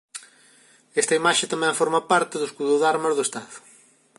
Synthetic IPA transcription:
ɛst̪ɐimaʃɪt̪amɛ̃ɱfoɾmɐpaɾt̪ɪðʊskuðʊðaɾmɐzðʊest̪aðʊ̥

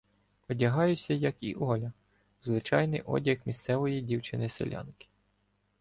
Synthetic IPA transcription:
ɔdʲɐɦɑjʊsʲɐjɐkḭʔɔlʲɐ | zʋɪt͡ʃɑjnɪjʔɔ̰dʲɐxmʲist̪sɛʋɔjidʲiwt͡ʃɪnɪsḛlʲɑ̰nkɪ̥

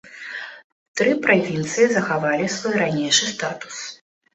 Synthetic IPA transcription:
t̪ɾɨpɾavʲint̪sɨjizɐxavalʲisvɔjɾanʲejʂɨst̪at̪u̥s

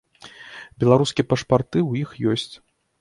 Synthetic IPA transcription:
bʲɛlˠaɾuskʲijɛpɐʂpart̪ɨwjixjɔsʲt͡sʲ

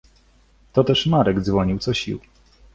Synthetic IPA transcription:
t̪ɔt̪ɛʂmaɾɛɡd̪zvɔɲiwt̪sɔɕḭw

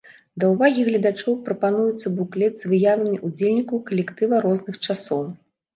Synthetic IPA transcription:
d̪ɐwvaɣʲiɣlʲɐd̪at͡ʂɔwpɾɐpan̪ujut̪sːɐbuklʲɛdʲzvɨjavɐmʲiʔud͡zʲelʲnʲikɐwkɐlʲɛkt̪ɨvɐɾɔznɨxt͡ʂasɔw

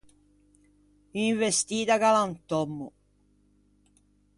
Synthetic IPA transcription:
iɱvest̪iːt̪akalant̪ɔmːʊ

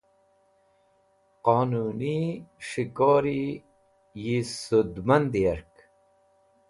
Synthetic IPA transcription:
qoːnuniʂikoːɾi | jisud̪mand̪iaɾk

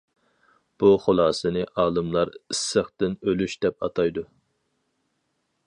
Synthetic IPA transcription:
b̥uχolˠɑːsɨnɨʔɑːlˠɨmlˠɑɾisːəχt̪ɪnølyʃd̪ɛp̚ɑ̰t̪ʰɑjd̪u

